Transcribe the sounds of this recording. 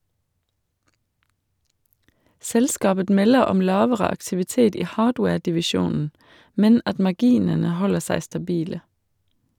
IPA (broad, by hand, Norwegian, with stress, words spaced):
ˈsɛlskɑːbə ˈmɛlə ˈɔm ˈlɑːʋəʁə ɑktɪʋɪˈteːt ˈiː ˈhɑːɖweːɖɪʋɪˌʃuːnn̩ ˈmɛn ˈɑt mɑˈɡiːnənə ˈhɔlə ˈsæɪ stɑˈbiːlə